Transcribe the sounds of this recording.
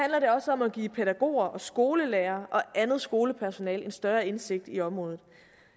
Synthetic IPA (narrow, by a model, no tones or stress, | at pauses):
hænlɐɾe̝ɒ̽səɒ̽mæɡ̥ḭːpʰeɾæɡ̥o̝̰ːɐʔɒ̽sɡ̥o̝ːləleːɐʔɒ̽ʔænð̞̩ˠsɡ̥o̝ːləpʰæɐso̝nɛ̰ːle̝nsd̥ɶːɐe̝nse̝ɡ̥̚d̥iɒ̽mʁɔ̽ːðð̩ˠ